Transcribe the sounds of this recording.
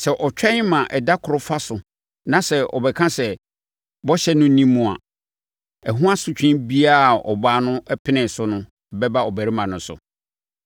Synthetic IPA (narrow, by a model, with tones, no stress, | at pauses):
sɛ˨ʔɔ˨t͡ɕᶣɛ̃˦ɲ˦mã˨ʔɛ˨da˦kʰʊ˨ɾʊ˦fa˦sʊ˨ | nã˨sɛ˨ɔ̰˨bɛ˨kʰã˦sɛ˨ | bɔ˦ɕɛ˦nʊ̃˦nĩ˦mũ˨a̰˨ | ɛ˨ɦũ˦ã˦sʊ˦t͡ɕᶣɪ̃˦nbi˦a˦˨ɔ̰˨baː˦nʊ̃˦ɛ˦pʰɪ˦nɪ̃˨sʊ˦nʊ̃˦˨ | bɛ˦ba˦ɔ˨bæ˨ɾi˦mã˨nʊ̃˨˦sʊ̰˨